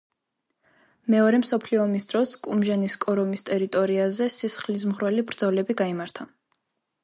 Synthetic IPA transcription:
mɛɔɾɛmsɔpʰliɔmisd̪ɾɔskʼumʒaniskʼɔɾɔmist̪ʼɛɾit̪ʼɔɾiazɛsisχlis̬mʁwɛlibɾd̪zɔlɛbiɡaimaɾt̪ʰa

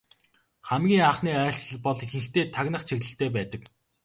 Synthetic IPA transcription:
χæmɡʲiːŋaχniːæːɬt͡ɕɮ̆ɮpɔɮixɘ̆ŋxt̪eːt̪ʰaɣnə̆χt͡ɕʰiɣɮɘ̆ɬt̪eːpæːt̪ə̆k

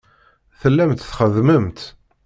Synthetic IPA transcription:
θəlːæmt̪θχəðməmt̪

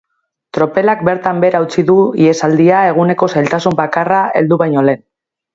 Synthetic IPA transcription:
t̪ɾo̞pe̞lak̚be̞ɾt̪ambe̞ɾawt͡siðuie̞sald̪iae̞ɣ̞une̞ko̞sajlt̪asumbakarae̞̰ld̪uβajɲo̞le̞n

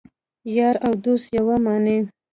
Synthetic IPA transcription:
jɑɾawd̪osjawamɑne

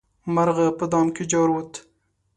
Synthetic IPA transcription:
maɾɣapəd̪ɑmked͡ʒɑɾwot̪

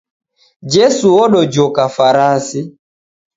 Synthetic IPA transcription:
d͡ʒɛsuɔɗɔd͡ʒɔkafaɾasi

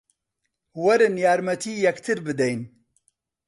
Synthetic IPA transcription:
wɐɾɨnjaːɾmɐt̪ʰiːjɛkt̪ʰɨɾbɨd̪ɛjn

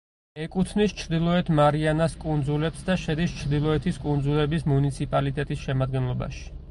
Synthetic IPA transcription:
ɛkʼut̪ʰnist͡ʃʰɾd̪ilˠɔɛt̪ʰmaɾianaskʼund̪zulɛpsd̪aʃɛd̪ist͡ʃʰɾd̪ilˠɔɛt̪ʰiskʼund̪zulɛbismunit̪sʰipʼalit̪ʼɛt̪ʼisʃɛmad̪ɡɛnlˠɔba̰ʃi̥

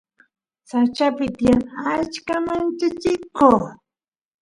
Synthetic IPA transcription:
sat͡ʃapɪt̪ɪjaŋat͡ʃkamant͡ʃat͡ʃɪko

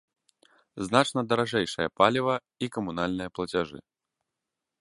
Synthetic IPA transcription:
znat͡ʂnɐd̪ɐɾaʐɛjʂɐjɐ̰palʲivɐ | ikɐmunalʲnɨjɐplˠɐt͡sʲaʐɨ̰

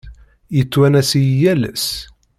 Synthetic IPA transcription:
jət͡sːwænæsijjælə̰s

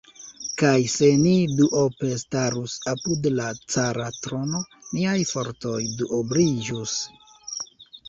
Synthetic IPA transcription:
kajse̞niduʔope̞staɾusapudlat͡saɾatɾo̞no̞niajfo̞ɾto̞jduʔoblid͡ʒus

